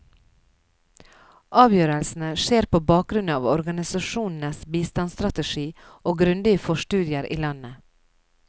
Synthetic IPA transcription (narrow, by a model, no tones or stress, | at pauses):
ʔɑːʋjøːɾəlsn̩əʃeːɾpoːbɑːk̚ɡɾʉnɑ̰ːʋɔɾɡɑnɪsɑʃuːnn̩əsbiːst̪ɑnst̪ɾɑt̪əʃiː | ʔoːɡɾʉnd̪ɪəfɔʃʈʉːd̪ɪəɾʔḭːlɑnə